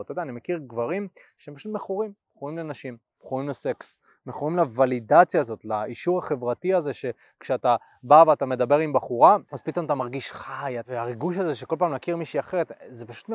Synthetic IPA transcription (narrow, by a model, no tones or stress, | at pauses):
at̪od̪aːnimekiʁɡvaʁimʃeempaʃut̚meχuʁim | χuʁimlenaʃim | b̥χuʁimlese̞ks | meχuʁimlavalidat͡sjaːzo̞tlaiʃuʁaχe̞vʁatiaze̞ʃe̞ | kʃeata | baveatame̞d̪abe̞ʁimbaχuʁaazpit̪o̞mat̪amaʁɡiʃχajaveaʁiɡuʃ̬azeʃekolpaːmlakiʁmiʃiaχeʁet̪zepaʃu̥t̪